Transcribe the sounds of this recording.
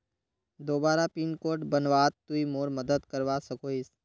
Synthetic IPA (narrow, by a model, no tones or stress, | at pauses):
d̪oːbaːɾapiːnkoːɾʈbənʋaːt̪ːuimoːɾməd̪əd̪kəɾʋasɐkoːis